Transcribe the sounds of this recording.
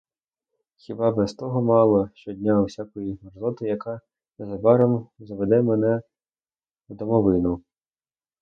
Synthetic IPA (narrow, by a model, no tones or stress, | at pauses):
xʲɪbɑbɛst̪ɔɦɔmɑlˠɔʃt͡ʃɔdʲnʲawsʲakɔjiɐrzɔt̪ɪjɐkɑ | nɛzɐbɑɾɔmzɐʋed̪ɛmenɛ | d̪ɔmɔʋɪnʊ